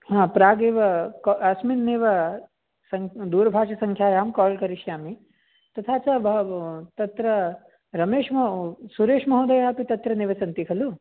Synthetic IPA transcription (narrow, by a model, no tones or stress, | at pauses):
ɦãːpɾaːɡeːʋɐkɐsminneːʋɐ | sɐŋd̪uːɾɐbʱaːʂɐsɐŋkʰjaːjaːmkaːlkɐɾiʃjaːmi | t̪ɐt̪ʰaːt͡ʃabt̪ɐt̪ɾɐ | ɾɐmeːʂmɐsuɾeːʂmɐɦɐːd̪ɐjaːpit̪ɐt̪ɾɐneːʋɐsɐnt̪ikʰɐlu